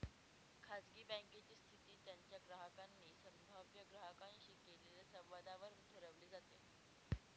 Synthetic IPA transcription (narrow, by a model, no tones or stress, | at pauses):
kʰad͡zɡiːbə̃ŋket͡ɕiːst̪ʰit̪iːt̪jaɲt͡ɕjaɡɾaɦəkanːiːsəmbʱaʋjəɡɾaɦəkanɕikeleljasəʋʋad̪ʱaʋəɾut̪əɾəʋliːd͡zat̪e